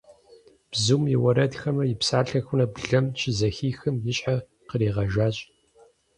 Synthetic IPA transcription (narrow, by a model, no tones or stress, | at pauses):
b̥zumjɪwɐɾɐdxɐmɐjɪpsaːɬɐxʷʊnɐbɮɐmt͡ʃʰɪzɐxiːxɨmjɪɕʼħa | qəɾiːʁɐʒaːt͡ɕʼ